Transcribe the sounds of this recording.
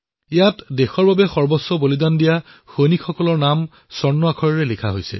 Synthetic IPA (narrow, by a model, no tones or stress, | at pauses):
ijatdexɔɹbabɛxɔɹbɔsːɔbolidandija | xojnikxɔkɔlɔɹnam | sɔɹnːɔakʰɔɹɔɹɛlikʰa̰ɦojsɛ̰